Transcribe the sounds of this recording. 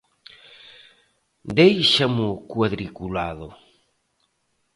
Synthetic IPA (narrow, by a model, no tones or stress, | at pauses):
d̪ejʃamʊkwaðɾikulaðʊ